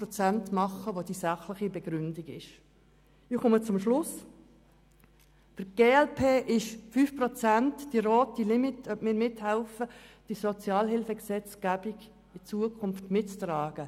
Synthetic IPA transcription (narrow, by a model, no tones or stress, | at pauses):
pɾɔt͡sæntmɑχːəʋod̥̪isɑχlɪχibɛɡ̥ɾʏndiɡɪʃ | ɪχʊmət͡sʊmʃlʊs | fəɡ̥eːɛlpʰeːʔɪʃfyːfprɔt͡sæntd̥iɾɔːtilɪmitœpmɪːɾmɪthɛlfəd̥isɔt͡sjɑːlɦɪlfəɡsɛt͡sɡ̥æb̥iɡ | ɪt͡suəkʰʊnftmɪtt͡strɑːɡ̥ə